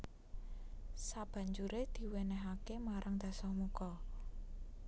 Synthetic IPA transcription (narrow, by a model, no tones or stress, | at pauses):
sab̥ä̤ɲd͡ʒuɾed̪̥i̤wenɛɦakemaɾʔaŋd̪̥a̤sɔhmukɔ